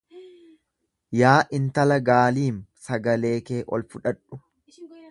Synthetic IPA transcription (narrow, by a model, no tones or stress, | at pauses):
jaːʔɪnt̪ɐlɐɡaːliːmsɐɡɐle̞ːke̞ːʔɔ̰lfʊᶑɐᶑʊ